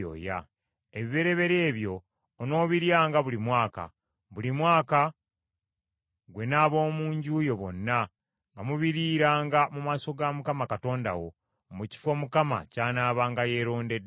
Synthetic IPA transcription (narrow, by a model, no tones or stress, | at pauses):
o̰ːja̰ | eβiβe̞ɾe̞βe̞ɾe̞ːβjo̞ː | no̞ːβiɾjaːŋɡaβulimwaːka̰ | βulimwaːka | ɡwe̞naːβo̞ːmuːɲɟuːjo̞βo̞̰nːa | ŋɡamuβiɾiːɾaːŋɡamumaːso̞ɡamukamakato̞ːnda̰wo̞ | muci̥fo̞mukama̰caːnaːβaːŋɡaje̞ːɾo̞ːnde̞d